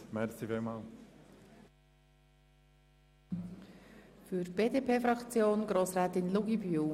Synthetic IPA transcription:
mɛɾsivemal | fyɾb̥eːdepʰeːfɾɑkt͡sjoːnɡ̥ɾoːsraːtɪnluɡibyl

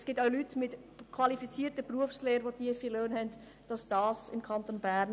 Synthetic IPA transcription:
sɡ̥ɪːtaʊlytmɪtkʰvɑlifit͡siːtəpruəfsleːɾʋotiːəfiːløːnhɛnt | d̥ɑsd̥ɑːsɪmkʰɑntonbæɾn

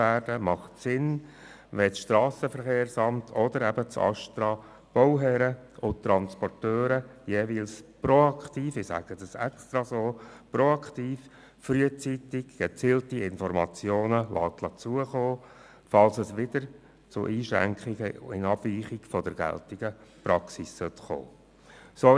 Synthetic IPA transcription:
æːrd̥əmɑχtsɪn | ʋɛsʃtɾɑːsəfəɾχeːɾsɑmtʰɔd̥̪əɾɛbət͡sɑ̰ʃtɾɑ | b̥ɔwɦɛɾəʊt̪ɾɑnspɔrtøːɾəjeːʋiːlspɾɔɑkχt̪iːfɪsæ̰ɡ̥əd̥̪ɑsɛ̰kst̪ɾɑsoːproɑkt̪iːf | fɾyət͡sit̪ɪɡɡ̥ɛt͡siːltiɪnfɔɾmɑ̰t͡sjoːnəlʔɑːt̪lɑt͡suəχoː | fɑlsəsʋɪd̪̥əɾ | t͡sʊ̰ʔiːʃɾæ̰ŋkχiɡəɪnɑb̥viːχɪɡ̥fɔd̥̪əɾɡæ̰ltɪɡ̥əpɾɑksisːœt̪χo̰ː | so

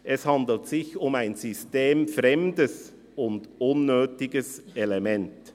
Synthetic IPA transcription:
ʔɛshandl̩tsɪçʊmaɪnzysteːmfʁɛmdəs | ʊndʊnːøːtɪɡəsʔɛlɛmɛnt

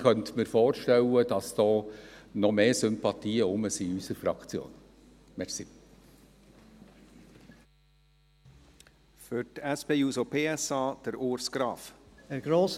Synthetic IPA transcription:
kœnt̪məɾfoːɾʃtɛwəd̥ɑsd̥ɔːnɔmeːsʏmpɑt̪ʰiːəʊməsiysəɾfɾɑ̰kt͡sjo̰ːn | mɛɾsi | fytɛspeːjuːsopʰeːɛsɑːd̪̥ɛɾoːɾsɡ̥ɾɑːfɛɾɡ̥ɾoːs

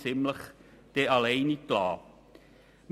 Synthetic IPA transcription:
t͡sɪmləχ | d̪̥ɛːʔɑlɛɪniklɑː | m

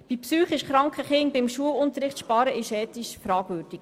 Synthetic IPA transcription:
b̥ipsyːχɪʃχɾɑŋkχəχɪŋbɪmʃuəlʊnt̪əɾɪχt̪ʃpɑɾəʔɪʃɛːt̪iʃfɾɑːɡ̥ʋøːɾd̥ik

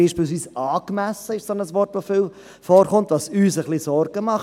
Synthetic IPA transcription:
iːʃpiːlsʋiːsɑːkmæsəɪʃsonəsʋɔrtʋofɪl | fɔːɾχʊnt̪ʋɑsyːsəχlisɔɾɡ̥əmɑχ

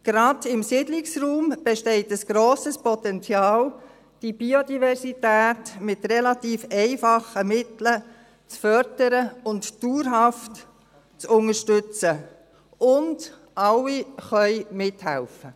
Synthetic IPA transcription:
ɡ̥ɾɑdɪmsidlɪksruːmb̥eʃtɛɪtəsɡ̥ɾoːsəspɔtɛnt͡sjɑːl | d̥ib̥iodivɛɾsitæːtmɪtrɛlɑtiːfɛɪfɑχəmɪtlə | t͡sfœɾdəɾəʊntd̥uːɾɦɑft | t͡sʊŋəʃtʏt͡sə | ʊnd | ʔɑlːiχœʏmɪthæ̰lfə

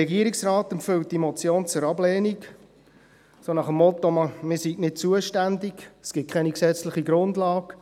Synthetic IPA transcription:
ɛɡiəɾiksrɑːt̪ɛmpfʏwt̚d̥imot͡sjoːnt͡sʊɾɑblɛːnik | sonɑχəmːɔt̪ːomɑmɪːsitnɪt̚t͡suəʃtændiksɡ̥ɪt̚kʰɛniksɛt͡slɪχiɡɾʊndlɑːɡ

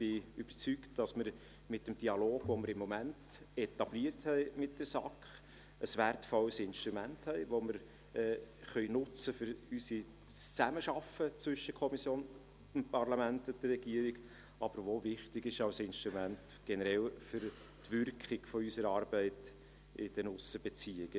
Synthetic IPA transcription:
b̥ɪyb̥əɾt͡syktd̥ɑsməɾ | mɪtːəmd̥iɑloːɡʋoməɾɪmːɔmænt | ɛt̪ɑbliəɾthɛɪmɪt̚d̥əɾsɑ̰kχ | əsʋærtfɔləsɪnʃtɾumænthɛɪʋoməɾ | ɛːχœʏnʊt͡səfʏɾysi | t͡sæməʃɑfət͡sʋʏʃːəkʰɔmisjoːn | əmpɑrlɑmæntʊdərɛɡ̥iəɾɪɡ̥ | ɑb̥əɾʋovɪχtɪɡɪʃɑʊsɪnʃtɾumæntɡ̥ɛnəɾɛlfʏɾ | tvʏɾkχɪɡ̥fɔysəɾɑːɾbɛɪt | ɪ̰d̥ənʊsəb̥et͡siːɪɡə

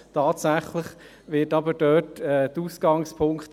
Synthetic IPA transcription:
tʰɑːtsæχləχ | ʋɪːtɑbədœːtɛdəuːsɡ̥ɑŋspʰʊŋkt

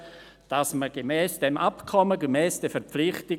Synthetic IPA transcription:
d̥asməɡ̥əmɛːsd̥ɛmʔapkʰɔməɡəmɛːsd̥ɛfɛɾpp͡fflɪχtɪ

